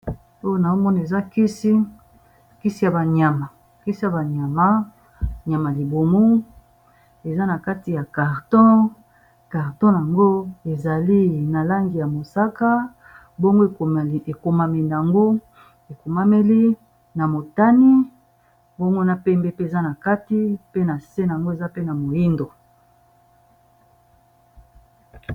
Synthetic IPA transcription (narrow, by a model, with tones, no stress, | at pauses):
o˦jo˦na˨o˦mɔ˦ni˨e˨za˦ki˦si˦ | ki˦si˦ja˨ba˨ɲa˨ma˨ | ki˦si˦ja˨ba˨ɲa˨ma˦ | ɲa˨ma˨li˨bo˨mo˦ | e˨za˦na˨ka˦ti˨ja˨ka˨ʁtɔ̃˦ | ka˨ʁtɔ̃˦ja˨ŋɡo˦e˨za˨li˦na˨la˦ŋɡi˨ja˨mo˨sa˦ka˦ | bo˦ŋɡo˦e˨e˨ko˨ma˨me˨na˨ŋɡo˦ | e˨ko˨ma˦me˦li˦ | na˨mo˨ta˦ni˦ | bo˦ŋɡo˦na˦pɛ˦mbe˦pe˦e˨za˦na˨ka˦ti˦pe˦na˨se˦n˨a˨ŋɡo˦e˨za˦pe˦na˨mo˨ji˦ndo˨